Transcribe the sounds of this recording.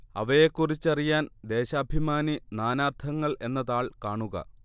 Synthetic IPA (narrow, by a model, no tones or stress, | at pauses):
ɐ̰ʋɐjekːurit͡ɕːɐrijaːnd̪e̞ːɕɐːbʱimaːninaːnaːrt̪ʰɐŋːɐɭe̞nːɐðaːɭkaːɳuɣɐ̰